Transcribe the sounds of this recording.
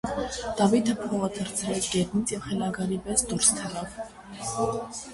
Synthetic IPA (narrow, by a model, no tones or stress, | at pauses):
d̪̥ɑvit̪ʰəpʰɔʁət̪ʰəɾt͡sʰɾɛt͡sʰɡɛɾnit͡sʰjɛvχɛlɑɡɑɾibɛsd̪uɾst̪ʰərɑv